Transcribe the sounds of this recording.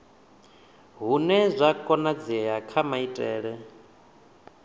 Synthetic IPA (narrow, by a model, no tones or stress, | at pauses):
ɦunɛzʷakʼɔnad͡zɛɦakʰamaitʼɛːɺɛ